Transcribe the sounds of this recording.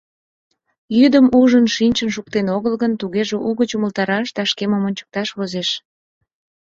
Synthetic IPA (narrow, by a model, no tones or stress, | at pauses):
jyd̪əmuʒənʃinʲt͡ɕənʃ̬uk̚t̪enoɣəlɣənt̪uɣeʒeʔuɣət͡ɕuməlt̪ɑɾɑʃd̪ɑʃkemomonʲt͡ɕə̥k̚t̪ɑʃβozeʃ